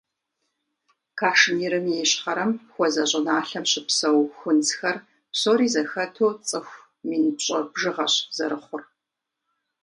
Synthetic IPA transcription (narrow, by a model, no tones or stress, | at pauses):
kʰaːʂmiːɾɨmjɛɕχɐɾɐmxʷɔzɐɕʼɪnaːɬɐmɕɪpsɐwxʷʊntxɐr | psoːɾiːzɐxɐtʰoːt͡sʼɨxʷ | miːnɨpɕʼɐbʒɨʁɐɕz̥ɐɾɨχʷʊr